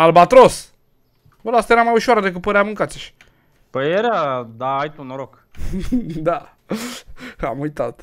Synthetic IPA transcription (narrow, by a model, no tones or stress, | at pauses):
albat̪ɾos | bəlast̪eɾamajuʃaɾad̪ekɨt̪̚pəɾeamɨŋkat̪siʃ | pəjeɾad̪aːjt̪unoɾok | d̪a | a̰mujt̪at̪